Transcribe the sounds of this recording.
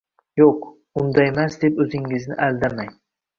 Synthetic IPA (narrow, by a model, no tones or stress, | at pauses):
joq | ʊnd̪aemasd̪e̞pɵzɪŋːɪznɪ̰ʔald̪amaj